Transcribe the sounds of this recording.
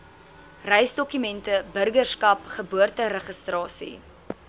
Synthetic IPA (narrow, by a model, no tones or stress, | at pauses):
rɛjsdɔkymɛntəbərɡərskɐpχəbuərtəɾəχəstrɑːsḭ